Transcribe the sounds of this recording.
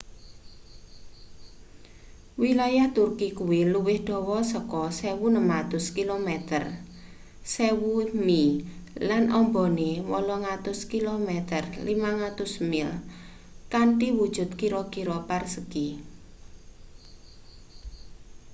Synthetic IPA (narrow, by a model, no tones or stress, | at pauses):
wilajaht̪urkikuwiluwɪhɖ̪̥ɔ̤wɔsəkɔsɛwunəmat̪ʊskilomɛt̪ər | sewumilanʔɔmbɔnewɔlɔŋat̪ʊskilomɛt̪ərlimaŋat̪ʊsmɪl | kaɳʈiwud̥ʒ̥ʊ̤t̪̚kiɾɔkiɾɔparsəɡ̥i